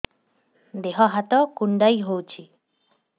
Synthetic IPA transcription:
d̪eɦɔɦat̪ɔkuɳɖajɦowt͡ʃʰi

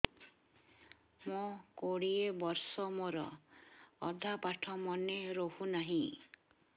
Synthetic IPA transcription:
mokoɽiebɔɾsɔmoɾɔː | d̪ʱapaʈʰɔmɔneɾohunaɦĩ

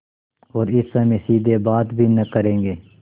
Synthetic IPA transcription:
ɔːɾɪsːɐmẽsiːd̪ʱebaːt̪bʱinɐkɐɾẽːɡeː

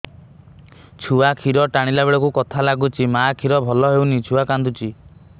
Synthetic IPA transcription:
t͡ʃʰuakʰiɾɔʈaɽ̃ilabeɭɔkukɔt̪ʰalaɡut͡ʃʰimakʰiɾɔbʱɔlɔɦewnit͡ʃʰuakand̪ut͡ʃi

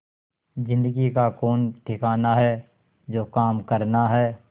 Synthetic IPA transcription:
d͡ʒɪ̃nd̪əɡikakoːnʈʰɪkaːnaɦɛ | d͡ʒoːkaːmkəɾnaɦɛː

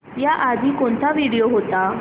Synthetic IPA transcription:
jaʔad̪ʱiːkoɳt̪ʰaʋiɽijoɦot̪a

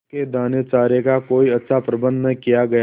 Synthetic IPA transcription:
ked̪aːnet͡ʃaːɾjekakoːiɐtːʃʰapɾɐbə̃nd̪nkijaɡɐja

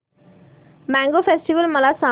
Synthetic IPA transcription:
maːŋɡoːpʰesʈiʋəlmɐlasa

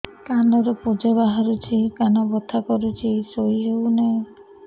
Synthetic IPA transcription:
kanɔɾɔpud͡ʒɔbaɦaɾut͡ʃʰikanɔbɔt̪ʰakɔɾut͡ʃʰisojiɦewne

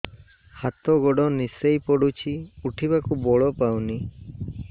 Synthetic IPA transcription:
hat̪ɔɡɔɖɔnisejpɔɽut͡ʃʰiuʈʰibakubɔɭɔpawni

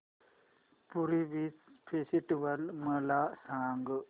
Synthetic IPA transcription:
puɾiʋit͡spʰesiʈʋəlməlasaːŋɡ

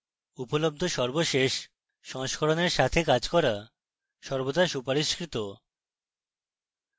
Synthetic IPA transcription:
upolob̚d̪ʱoʃɔɾboʃeʃː | ɔŋʃkʰoɾoneɾʃat̪ʰekad͡ʑkɔɾa | ʃɔɾbot̪aʃupaɾiʃkɾit̪o

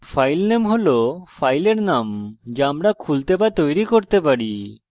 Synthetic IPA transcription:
fajlnemɦolofʰajleɾnamd͡ʑeamɾakʰult̪ebat̪ojɾikoɾt̪epaɾi

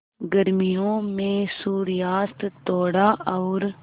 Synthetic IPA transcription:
ɡəɾmijõːmẽːsuːɾjaːst̪t̪oːɽaːʔɔːɾ

